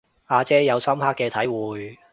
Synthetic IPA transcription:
aː˧t͡sɛː˥jɐ˨˧wsɐ˥mhaː˥kːɛː˧t̪ʰɐ˨˥jwuː˨j

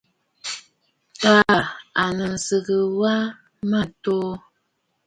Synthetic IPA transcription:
taː˦˨a˨nə˨n̩˨sɨ˨ɣə˨wa˦ | ma˦to˦

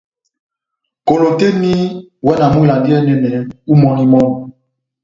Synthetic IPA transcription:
ko˨lo˨te˦ni˦wɛ˦na˨mũ˦˨la˨ndi˦ɛ˦nɛ˨nɛ˨u˦mɔ˦ni˦mɔ˦n˨

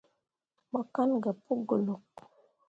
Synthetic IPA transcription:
ɓa˨ka˦nɡa˨po˦ɡo˨lo˨k̚

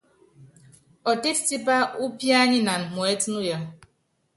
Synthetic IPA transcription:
ɔ˨te˦fti˦pa˦ʔu˦pja˦ɲɪ˦na˨m̩˨mʊ˨e˦tnʊ˦ja˦

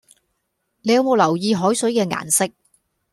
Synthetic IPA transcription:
ne˨˧jɐ˨˧wmo˨˧wlɐ˨˩wjiː˧ɦɔː˨˥jsɵ˨˥ɥkɛː˧ŋa̰ː˨˩nsɪ˥k̚

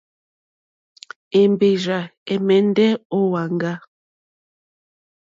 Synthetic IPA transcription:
e˨mbe˨ʒa˨ɛ˨mɛ˨n˦dɛ˦o˦wa˨ŋɡa˦

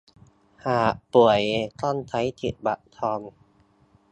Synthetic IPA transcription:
haː˨˩ʔpu˨˩əjt̪ɔː˥˩nt̪ʰa˨˥jt̪ʰi˨˩t̪̚ba˨˩ʔt̪ʰɔː˧n

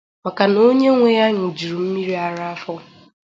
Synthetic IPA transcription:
ma˨ka˨no˦ɲe˦ŋʷe˨ja˦ɲ̩˨d͡ʒi˨ɾu˨m̩˦mi˦ɾi˦a˨ɾa˦a˦fɔ˦

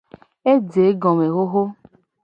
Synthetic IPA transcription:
e˦d͡ze˨˦ɡɔ̃˨me˨ɣo˦ɣo˦

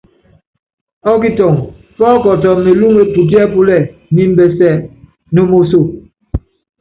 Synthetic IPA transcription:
ɔ˦k̬i˦tɔ˨ŋ | fɔː˦kɔ˨tɔ˨me˨lu˦ŋe˦tu˨t̬i˦a˦pu˦lɛ˦˨mi˦m̩˦bɛ˦sɛ˦˨ | no˦mo˦s̬o˦˨

